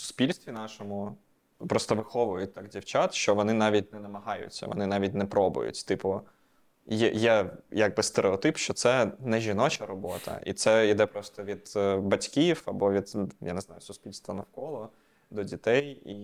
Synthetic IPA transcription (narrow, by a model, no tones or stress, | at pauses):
sʊ̥spʲilʲst̪ʋʲinɑʃɔmʊ | pɾɔst̪ɔʋɪxɔʋʊjʊt̚ʲt̪ɑkdʲiwt͡ʃɑt̪ʃt͡ʃɔʋɔnɪnɑʋʲit̚ʲnɛnɐmɐɦɑjʊ̰t͡sʲːɐ̰ʋɔ̰nɪnɑʋʲitʲnɛpɾɔbʊ̰jʊ̰tʲt̪ɪpʊ | jɛ̰jɛjaɡ̚bɪst̪eɾʔeɔt̪ɪpʃt͡ʃɔt̪sɛnɛʒʲinɔt͡ʃɐɾɔbɔt̪ɐ̰ʔḭt̪sɛid̪ɛpɾɔst̪ɔʋʲid̪bɐtʲkʲifɐbɔʋʲid̪ja̰nɛznɑjʊsʊspʲilʲst̪ʋɐnɐwkɔlˠɔ | d̪ɔdʲit̪ɛjḭ